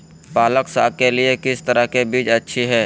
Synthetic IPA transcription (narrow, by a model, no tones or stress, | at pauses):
paːləksa̰ːkeliekɪst̪əɾəkebiːd͡ʒɐtːʃʰiɦɛː